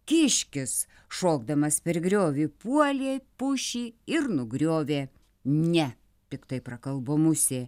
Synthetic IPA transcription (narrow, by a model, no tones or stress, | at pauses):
kʲɪʃʲkʲɪs | ʃoːɡd̪ɐmɐspʲɛɾɡɾʲoːʋʲiːpuɔlʲeːpʊʃʲiːɪɾnʊɡɾʲoːʋʲeː | nʲɛ | t̪ʲɪkt̪ɐɪpɾɐkɐlˠboːmʊsʲeː